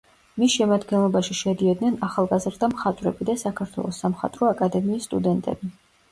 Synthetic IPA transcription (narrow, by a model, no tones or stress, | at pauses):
misʃɛmad̪ɡɛnlˠɔbaʃiʃɛd̪iɔd̪nɛnaχalˠɡazɾd̪ʰamχat̪ʼvɾɛbid̪asakʰaɾt̪ʰwɛ̰lˠɔsːamχa̰t̪ʼɾɔakʼad̪ɛmiːst̪ʼud̪ɛnt̪ʼɛ̰bi